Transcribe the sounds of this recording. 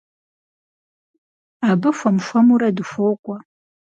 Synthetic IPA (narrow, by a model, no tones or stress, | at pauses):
aːbɨfʷɐmʃʷɐmuɾɐdɨfoːkʷʼɔ